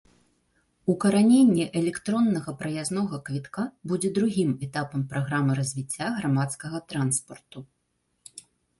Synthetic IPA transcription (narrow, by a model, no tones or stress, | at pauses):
ukɐɾanʲenʲːɛʔɛlʲɛkt̪ɾɔnːɐɣɐpɾɐjaznɔɣɐkvʲit̪kabud͡zʲɛd̪ɾuɣʲimɛt̪apɐmpɾaɣɾamɨɾɐzʲvʲit͡sʲːaɣɾamat̪skɐɣɐt̪ɾanspɐrt̪u